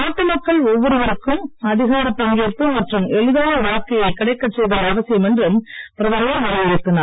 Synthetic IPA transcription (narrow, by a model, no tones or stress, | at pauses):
aːʈːɯmɐkːɐɭɔʋːɔɾɯʋɐɾɯkːɯmɐðɪɣaːɾɐpːɐŋɡeɾp̪ːɯmɐʈrɯmɛɻɯðaːʋɐʋaːɐɾkːɐjɐɪkɪɽɐɪkːɐt͡ʃsɛjðaːɾɐʋɐsɪjɯmɛndrɯmpɪɾɐðaɾɐjɐʋɐɾɐʋɐjɪt̪ːɯnaː